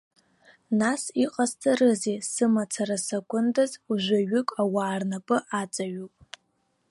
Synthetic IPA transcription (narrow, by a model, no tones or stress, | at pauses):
nasiqʼaztʰʼarɨzesɨmat͡sʰaɾasakʷʰʼʊndazuʒʷaɥʏkʼawaːrnapʼɨʔat͡sʼaɥupʼ